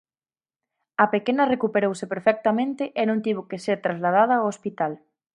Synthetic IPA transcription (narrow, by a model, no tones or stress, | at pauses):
ɐpekenɐrekupeɾowsɪpeɾfɛk̚t̪amẽnt̪ɪʔenõŋt̪iβʊkeseɾt̪ɾazlað̞að̞ɐːwospit̪al